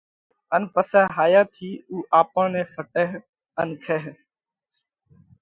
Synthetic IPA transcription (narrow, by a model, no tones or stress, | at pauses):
ənpəsɛːɦaːjãːt̪ʰiːuːʔaːpəːnẽːfəʈeːɦ | ənkʰeːɦ